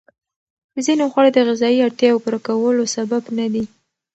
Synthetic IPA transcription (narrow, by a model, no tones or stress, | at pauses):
əzinoxwaɽed̪əɣɪzɑiaɽt̪jɑwpuɾakawəlosababnad̪i